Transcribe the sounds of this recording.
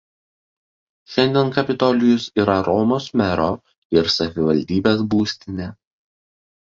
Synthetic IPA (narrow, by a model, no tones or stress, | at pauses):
ʃʲɛnʲd̪ʲiɛnkɐpʲɪt̪ɔlʲɪjʊsiːɾɐɾɔmoːsmʲɛɾoː | ɪɾsɐʋʲɪʋɐlʲd̪ʲiːbʲeːsbuːsʲt̪ʲɪnʲeː